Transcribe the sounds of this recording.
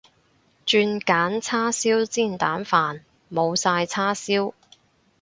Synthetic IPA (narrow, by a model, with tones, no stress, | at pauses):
t͡ʃyː˧nkaː˨˥nt͡sʰaː˥siː˥wt͡siː˥˩nt̪aː˨˥nfaː˨n | mo˨˧wsaː˧jt͡sʰaː˥siː˥w